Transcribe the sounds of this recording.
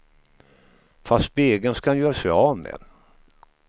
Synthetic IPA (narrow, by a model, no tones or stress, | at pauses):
fast̪̚beːɡənskahanjœːɾsɛɑːmɛ̰